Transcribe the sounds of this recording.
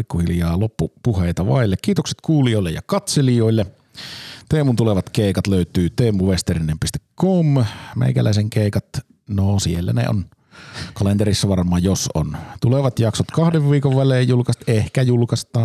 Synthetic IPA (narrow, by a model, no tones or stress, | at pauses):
ikːohiljɑːlopːupuheˑit̪ɑʋɑ̰ilːekkiːt̪okse̥t̪kuːlioˑilːḛjɑ̰kɑt̪selijoilːe | t̪eːmunt̪uleʋɑt̪keˑikɑt̪løyt̪yːt̪eːmuʋest̪erinːempist̪ekːommḛˑikæ̰læ̰ˑiseŋkeˑikɑt̪ | nosielːæ̰nḛo̰n | kɑlent̪eɾisːæʋɑrmˑoɑːjoso̰nt̪uleʋɑt̪jɑksot̪kɑhdeʋʋiːkoʋʋæleːjjulkɑst̪ehkæjulkɑst̪ˑɑː